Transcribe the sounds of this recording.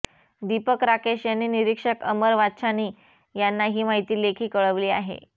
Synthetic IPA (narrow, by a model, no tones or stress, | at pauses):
d̪ipəkɾakeʂjanːiːniɾikʂəkəməɾʋat͡ɕaniː | janːaɦiːmaɦit̪iːlekʰiːkəɭəʋliːa̰ɦḛ